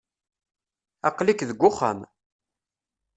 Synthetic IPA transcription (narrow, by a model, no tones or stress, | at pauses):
ɑ̰qlikðəɡʷːʊχə̰m